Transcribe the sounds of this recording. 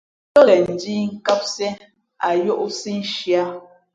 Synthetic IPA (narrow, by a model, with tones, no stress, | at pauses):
ə˦lɛ˨n̩˨di˦ŋ̩˦ka˦p̚sɛ˦ | a˨jo˦ʔsi˦n̩˦ʃja˦